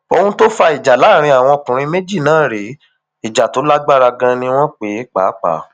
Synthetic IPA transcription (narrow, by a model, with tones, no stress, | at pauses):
o˧hũ˧to˦fa˧i˨d͡ʒa˨la˨˦˨ɾ̃ĩ˧a˨w̃ɔ̃˧o˧kũ˨ɾ̃ĩ˧me˦d͡ʒi˦˨nãː˨˦˨ɾe˨˦ | i˨d͡ʒa˨to˨˦la˦ɡ͡ba˦ɾa˧ɡã˧nĩ˧w̃ɔ̃˦k͡pe˨˦k͡pa˨˦k͡pa̰˨˦